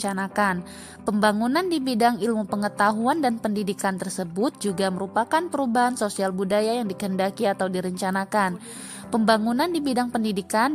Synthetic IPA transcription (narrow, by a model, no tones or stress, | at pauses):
anakan | pəmbaŋunandibidaŋilmupəŋət̪aɦuandanpəndidikant̪ərsəbʊt̪̚d͡ʒuɡaməɾupakanpəɾubaɦansosialbudajajaŋdikəɦəndakiat̪awdiɾəɲt͡ʃanakan | pəmbaŋunandibidaŋpəndidikan